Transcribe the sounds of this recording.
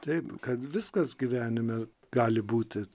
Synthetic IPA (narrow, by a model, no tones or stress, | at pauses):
t̪ɛɪpkɐt̪ʋʲɪskɐsɡʲiːʋʲæːnʲɪmʲɛ | ɡ̥ɑːlʲɪbuːt̪ʲɪ